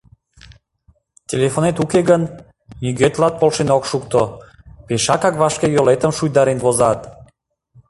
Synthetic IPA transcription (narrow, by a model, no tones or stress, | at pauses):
tʲelefonet̪ukeɣən | nyɡøt̪lɑt̪̚polʃenokʃukt̪o | peʃɑkɑkβɑʃkejolet̪əmʃujd̪ɑɾenβozɑt̪